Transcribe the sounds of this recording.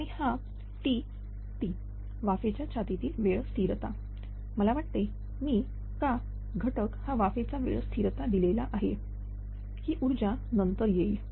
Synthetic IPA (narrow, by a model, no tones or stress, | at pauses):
aɽ̃ĩha | t̪i | t̪iː | ʋafet͡ɕjat͡ɕʰat̪it̪iːʋeɭst̪ʰiɾt̪a | məlaʋaʈ̚t̪e | miː | ka | ɡʱəʈəkhaʋafet͡saʋḛɭst̪ʰiɾt̪ad̪ilelaʔaɦe | hiːʔuɾd͡ʑanənt̪əɾjei